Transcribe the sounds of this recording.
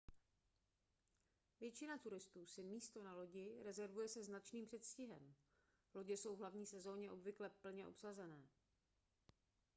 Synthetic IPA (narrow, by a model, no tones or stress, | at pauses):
vjɛt͡ʃɪnat̪uɾɪst̪uːsɪmiːst̪o̞nalo̞ɟɪɾɛzɛɾvujɛsɛznat͡ʃniːmpr̥ɛt̪scɪɦɛm | lo̞ɟɛso̞wvɦlavɲiːsɛzo̞ːɲɛʔo̞bvɪklɛpl̩ɲɛʔo̞̰psazɛnɛː